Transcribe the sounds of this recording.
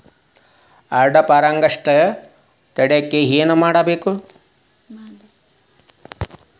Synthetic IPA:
ɐɾɖɐpaːɾɐŋɡɐʂʈɐ | t̪ɐɽeɐkːeɦeːnumaːɽɐbeːku

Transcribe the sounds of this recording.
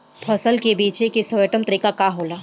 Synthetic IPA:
pʰəsəlkebiːt͡ʃekesəʋjət̪əmt̪əɾiːkakaɦoːlaː

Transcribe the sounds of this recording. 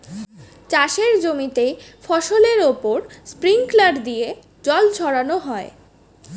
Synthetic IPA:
t͡ɕaʃeɾd͡ʑomit̪efɔʃoleɾopoɾspɾiŋklaɖd̪ie | d͡ʑɔld͡ʑʰʱɔɽanoɦɔe

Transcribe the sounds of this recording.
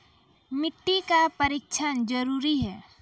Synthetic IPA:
mɪʈːikapəɾiːk̚t͡ʃʰənd͡ʒəɾuːɾiɦɛː

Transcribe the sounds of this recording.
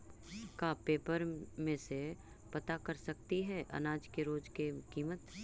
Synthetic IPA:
kapeːpəɾmẽse | pɐt̪akɐɾsɐkt̪iɦɛːʔɐ̰naːd͡ʒkeɾoːd͡ʒkekiːmət̪

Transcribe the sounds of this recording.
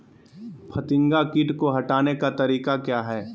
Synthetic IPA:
pʰɐt̪ɪ̃ŋɡakɪʈkoɦɐʈaːnekat̪ɐɾiːkakjaːɦɛː

